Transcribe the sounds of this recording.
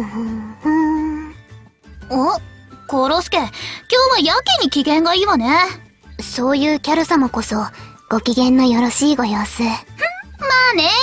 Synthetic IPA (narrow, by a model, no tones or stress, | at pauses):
ɯhɯ̃hɯ̃ | okoɾosɨ̥ke̞kʲo̞ːβajakeɲ̟ikʲiɡẽ̞ŋɡaiːβane̞ | so̞ːjɯ̟ːkʲaɾɯ̟samoko̞so̞ | ɡ̥o̞kʲiɡẽ̞nːo̞jo̞ɾo̞ɕiːɡo̞joːsɨ̃ | maːne̞